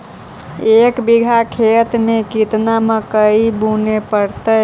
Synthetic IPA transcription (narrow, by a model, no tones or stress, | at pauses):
ekbiɡʱakʰet̪mekit̪naməkəibunepəɾt̪ə